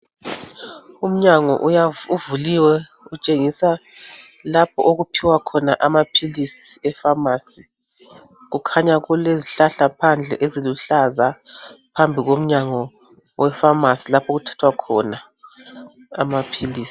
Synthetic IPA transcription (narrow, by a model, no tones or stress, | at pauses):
um̩ɲaŋɔ̰ʔjauvuliwɛ | ut͡ʃʼeŋisa | lap̚ʰɔʔoɣupʰiwakʰɔnaʔamapʰilisi̥ɛfamasi | ɣukʰaɲaɣuleziɬaɬapʰand͡ɮʱɛʔeziluɬazapʰambʱiɣom̩ɲaŋɔ | wʔɛfamasilapʰoɣutʰḁtʰwakʰɔ̰na | mapʰiliːsi̥